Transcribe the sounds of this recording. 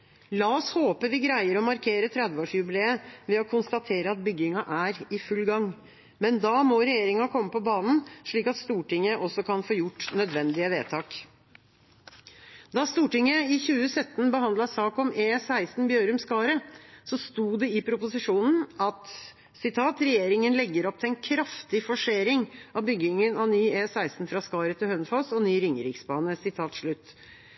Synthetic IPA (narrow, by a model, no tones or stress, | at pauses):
lɑɔshoːpəʋɪɡɾæɪəɾɔmɑɾkʰeːɾət̪ʰɾɛd̪ʋəoːʂjʉbɪleːəʋɛɔkʰʊnst̪ɑt̪ʰeːɾəɑt̪̚bʏɡːɪŋɑʔæɾɪfʉlɡɑŋː | mɛnd̪ɑmɔɾɛjeːɾɪŋɑkʰɔmːəpɔbɑːnn̩ʂɭiːkɑt̪st̪uːʈɪŋːəʔɔsːɔkʰɑnfoːjʊʈːnœd̪ʋɛnd̪ɪəʋḛːt̪ʰɑːk | d̪ɑst̪uːʈɪŋːəɪçʉːəsœt̪ːnbəhɑnd̪lɑsɑːkɔmeːsæɪst̪n̩bjøːɾʉmskɑːɾəsɔst̪uːɖ̪ɛɪpʰɾʊpʊsɪʂuːnn̩ɑt̪ | sɪt̪ʰɑːt̪ɾɛjeːɾɪŋənlɛɡːəɾɔp̚t̪ʰɪɛnkʰɾɑft̪ɪfɔʂeːɾɪŋɑbʏɡɪŋənɑʋnyːeːsæɪst̪n̩fɾɑskɑːɾət̪ʰɪlhœnfɔsɔnyːɾɪŋɾɪksbɑːnəsɪt̪ʰɑːt̪ʂɭʉt̪ː